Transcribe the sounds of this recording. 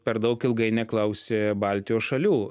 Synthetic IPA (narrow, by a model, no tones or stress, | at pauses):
pʲɛɾd̪ɐʊkɪlˠɡɐɪnʲɛklˠɐʊsʲeːbɑlʲt̪ʲɪjoːsʃɐlʲuː